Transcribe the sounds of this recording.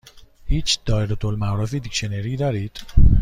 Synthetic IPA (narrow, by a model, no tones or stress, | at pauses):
hiːt͡ʃd̪̥ɒːeɾot̪ʰolmæɾɔfiːd̪ikʃeneɾiːd̪ɒːɾiːd̪̥